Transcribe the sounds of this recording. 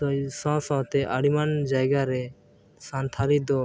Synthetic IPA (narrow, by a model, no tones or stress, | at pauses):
ɔsɔ̃sɔ̃t̪ɛʔaɽimand͡ʒajɡaɾɛ | sant̪ʰaɾid̪ɔ